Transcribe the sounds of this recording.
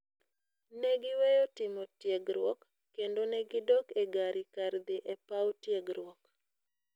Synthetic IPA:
nɛɡɪwejotɪmɔtjeɡɾwɔkː | endonɛɡɪdɔkeɡaɾikaɾd̪ɪʔɛpawtjeɡɾwɔk

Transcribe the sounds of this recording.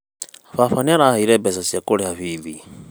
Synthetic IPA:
fafaniaɾaaiɾɛbɛsasiakʼɔɺɛɦaviːði

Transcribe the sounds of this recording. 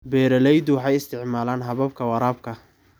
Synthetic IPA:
bɛːɾɐlɛjd̪ʊwɑħɑjɪst̪ʰɪʕmaːlaːnɦɐβɐb̚kʰɐwɑɾaːb̚kʰɐ

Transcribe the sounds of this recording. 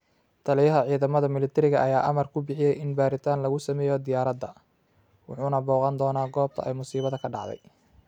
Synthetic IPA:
t̪ʰɐlɪjɐɦɐʕiːðɐmɐðɐmɪlɪt̪ʰɛɾɪɣɐʔɐjaːʔɐmɐrkʰʊbɪħɪjɛjɪnbaːɾɪt̪ʰaːnlɐɣʊsɐmɛːjɔd̪ɪjaːɾɐd̪ɐ | wʊħuːnɐbɔːqɑnd̪ɔːnaːɡɔːb̚t̪ʰɐ̰ʔɛjmʊsiːβɐðɐkʰɐɖɑ̰ʕd̪ɛ̰j

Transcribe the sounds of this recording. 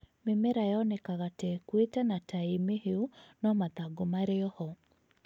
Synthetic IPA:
mɪmeɾajɔnɛkaɣatɛkwetanatʰaemeheunɔmat̪aɡomaɾɪɔhɔ

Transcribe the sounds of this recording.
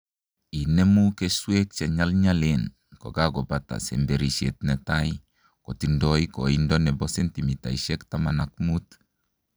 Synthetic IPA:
inemukeswek̚t͡ʃeɲalɲalen | ko̰ɡaɡobata̰sembeɾisetnetai | kotindoikoindonebosentimita̰iʃektamanakmut

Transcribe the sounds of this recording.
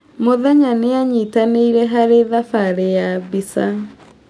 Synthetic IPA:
moðɛɲaneaɲitaneiɾɛɦaɾeðafaɾejabisa

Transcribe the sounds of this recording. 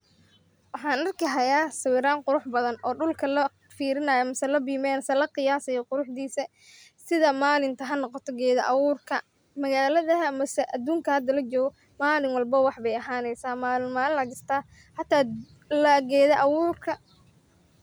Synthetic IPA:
wɑħɑːnʔɐrkʰiɦɐjaːsɐwɪːɾaːŋqʊɾʊħbɐðɐnʔɔːɖʊlkʰɐlɐ | fiːɾɪnɐjɐmɐsɐlɐbiːmɛːnsɛlɐqɪjaːsɐjɔqʊɾʊħd̪iːsɐ | sɪðɐmaːlɪnt̪ʰɐɦɐnɔqɔt̪ʰɔɡɛːðɐʔɑwuːrkʰɐ | mɐɣaːlɐðɐɦmɐsɛʔɐd̪uːŋkʰɐhɐd̪ɐlɐt͡ʃɔːɣɔ | maːlɪŋwɑlbɐwɑħbɛjɐɦaːnɛjsaːmaːlɪmaːlɪlɐɡɪst̪ʰaː | ħɑt̪ʰaː | lɐɡɛːðɐʔɑwuːrkʰɐ

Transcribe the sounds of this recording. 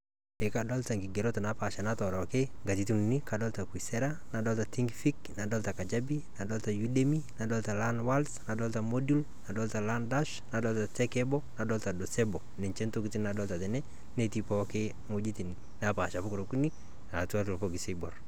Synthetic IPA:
ɛkadɔltaŋɡiɡeɾotanapaʃanatɔɾɔkeŋɡatituninikadɔltakisɛɾa | nadɔltatiŋɡfiknadɔltakad͡ʒabinadɔltajudeminadɔltalanwalsnadɔltamodul | nadɔltalandaʃnadɔltatɛkɛbɔnadɔltadosɛbɔ | nɛnt͡ʃɛntokitinnadɔltatɛnɛ | netipɔke | mod͡ʒitini | napaʃapʊkɾokuni | natuatulfoɡisebɔr

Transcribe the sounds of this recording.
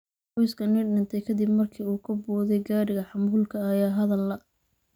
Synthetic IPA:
qɔjskʰɐnɪɖɪnt̪ʰɛjkʰɐd̪ɪbmɐrkʰiːuːkʰɐbɔːðɛjɡaːɽɪɣɐħɑmbuːlkʰɐːjaːɦɐðɐlːɐ

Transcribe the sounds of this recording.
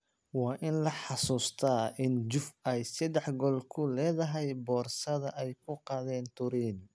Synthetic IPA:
wɑːʔɪnlɐħɑsuːst̪ʰɐːʔɪnd͡ʒʊfɛjsɛd̪ɛħɡɔlkʰʊlɛːðɐɦɛjbɔːrsɐðɐʔɛjkʰʊqɑːðɛːnt̪ʰʊɾiːn

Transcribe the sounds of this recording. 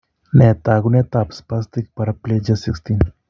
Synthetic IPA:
net̪aɡunjet̪apspast̪ik̚pɐɾɐpled͡ʒɐsikst̪in

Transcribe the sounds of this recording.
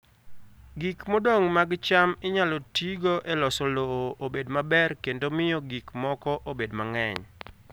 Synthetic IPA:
ɡikmodoŋmaɡt͡ʃamɪɲalɔtiɡoʔɛlɔsɔloːʔobedmabɛrkendomɪjɔɡikmɔkɔʔobedmaŋɛ̰ɲ

